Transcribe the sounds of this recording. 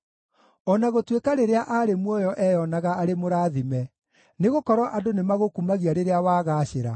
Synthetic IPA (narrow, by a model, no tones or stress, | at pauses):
ɔnaɣotwekaɾeɾeaʔaɾemwɔjɔʔɛjɔnaɣaaɾemoɾaːðimɛ | neɣokɔɾwɔʔadonemaɣokumaɣiaɾeɾeawaːɣaːɕeɾa